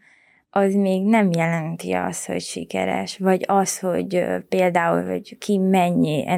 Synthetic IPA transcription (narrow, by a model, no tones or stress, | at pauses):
ʔɒzmeːɡnɛmjɛlɛnt̪ḭɒ̰st̪ho̞̰cʃikɛ̰ɾɛ̰ʃʋɒɟɒsho̞̰ɟpeːld̪aːṵlɦɒ̰ɟkʰimɛɲːiʔɛ